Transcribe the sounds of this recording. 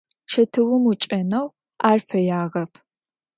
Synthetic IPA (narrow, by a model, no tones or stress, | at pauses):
ʃɐtʰɨwʊmut͡ʃʼɐnɐw | aːrfɐjaːʁɐpʰ